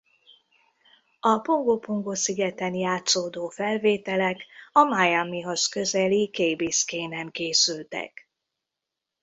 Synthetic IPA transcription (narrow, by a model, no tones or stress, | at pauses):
ɒpo̞ŋɡopoŋɡosiɡɛt̪ɛnjaːt̪soːd̪oːfɛlveːt̪ɛlɛkɒmajamiɦoskø̞zɛlikeːjbiskeːnɛmkeːsylt̪ɛ̰k